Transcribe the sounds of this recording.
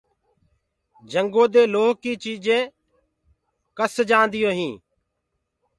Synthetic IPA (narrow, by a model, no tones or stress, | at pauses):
d͡ʒəŋɡoːd̪eːloːɦkiːt͡ʃiːd͡ʒẽː | kəsd͡ʒaːnd̪ɪjõːɦĩː